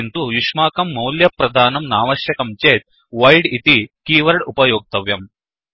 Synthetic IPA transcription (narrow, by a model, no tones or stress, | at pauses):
nt̪uʋiʂmaːkɐmːɐwljɐpɾɐd̪ʱaːnɐmnaːʋɐʃjɐkɐmt͡ʃeːt̪̚ | ʋɐjɖit̪ikiːʋɐɾɽupɐjɔːɡ̚t̪ɐʋjɐm